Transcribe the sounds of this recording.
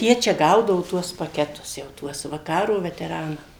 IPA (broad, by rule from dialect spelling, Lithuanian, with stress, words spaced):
ˈjiɛ t͡ʃʲɛ ˈɡɐʊdɐʋʊ ˈtuɔs pɐˈkʲæːtʊs jɛʊ ˈtuɔs ʋɐ ˈkɑːroː ʋʲɛtʲɛˈrɑːnɐm